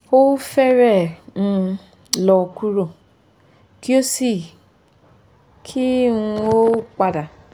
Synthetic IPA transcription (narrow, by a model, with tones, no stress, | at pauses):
o˦fe˦ɾe˦˨m̩˦ | lɔ˨ku˦ɾo˦˨ | kʰi˦o˦si˦˨ | kʰi˦o˦k͡pa˨da˨